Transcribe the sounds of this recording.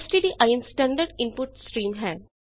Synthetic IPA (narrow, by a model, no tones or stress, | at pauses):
sʈidiʔajənsʈɛ̃ɳɖəɾɖɪ̃mpʊʈsʈɾiːmɦɛː